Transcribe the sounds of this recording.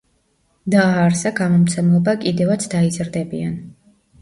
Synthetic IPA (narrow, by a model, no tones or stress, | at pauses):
d̪aːɾsaɡamɔmt̪sʰɛmlˠɔbakʼid̪ɛvat̪sʰd̪aizɾd̪ɛbian